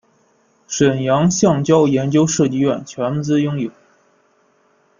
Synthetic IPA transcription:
ʂə˨˩njɑ˧˥ŋɕjɑ˥˩ŋt͡ɕjɑ˥ʊjɛ˧˥nt͡ɕjo˥ʊʂɤ˥˧t͡ɕi˥˧ɥɛ˥˩nt͡ɕʰɥɛ˧˥n˧t͡sɹ̩˥jʊ˥ŋjo˨˩˦ʊ

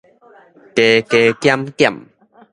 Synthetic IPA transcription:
ke˧ke˧kja˦mkja̰˨m

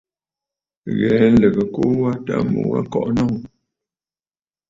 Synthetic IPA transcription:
ɣɛ˨˦n̩˦lə˨ɣə˨ko˦wa˦ta̰˦mṵ˨˦a̰˦kɔ˨ʔnɔ˦˨ŋ˦

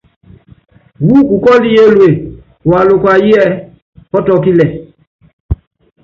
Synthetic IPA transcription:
wu˦ku˨kɔ˦li˦je˦lwe˨ | wa˨lʊ˨kwa˨ji˦ɛ˦ | pɔ˦tɔ˨˦ki˦lɛ˨

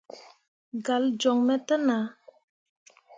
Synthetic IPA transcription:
ɡa˨ld͡ʒɔ˨ŋmɛ˨t̪ə˦na˨

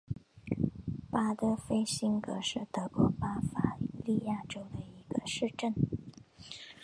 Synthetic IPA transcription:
pa˥t̪ɤ˥fe˥ɪɕi˥nkɤ̰˧˥ʂɻ̩˥˩t̪ɤ˧˥kwɔ˧˥pa˥fa˥li˥˧ja˥˩ʈ͡ʂo˥ʊd̪ə˨i˧˥ɡ̥ə˧ʂɻ̩˥˧ʈ͡ʂə˥˩n

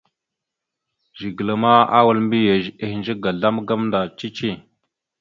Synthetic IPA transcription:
ʒi˨ɡə˨la˨ma˦a˦wu˨lmbi˦e˨e˨hnd͡ʒə˦ɡa˨ɮa˦mɡa˦mnda˨t͡ʃi˦t͡ʃi˦˨

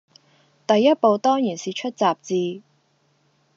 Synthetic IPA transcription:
t̪ɐ˨jːɐ˥t̚po˨˧wt̪ɔː˥ŋjiː˨˩nsiː˨t͡ʃʰɵ˥t̚t͡saː˨p̚t͡siː˧

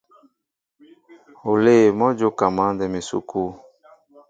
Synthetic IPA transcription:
o˨le˦˨mɔ˦d͡ʒo˦ka˨mã˦ndɛ˨me˨sṵ˦kʰu˦

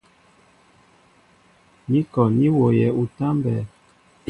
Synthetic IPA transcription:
ni˦kɔ˨ni˦wo˨jɛ˨u˨ta˦mbɛ˨

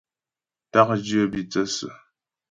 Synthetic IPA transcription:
ta˦k̚d͡ʒi˦ə˦bi˨t͡sə˦sə̰˨

